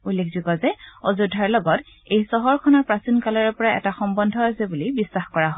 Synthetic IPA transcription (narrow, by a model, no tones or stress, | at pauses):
ulːekʰzukɔzɛɔzudʱːaɹlɔɡɔt | ejsɔɦɔɹkʰɔnɔɹpɹasinkalɔɹɔpɔɹaɛ̰taxɔmbɔndʱɔasɛbulibisːaxkɔɹaɦɔ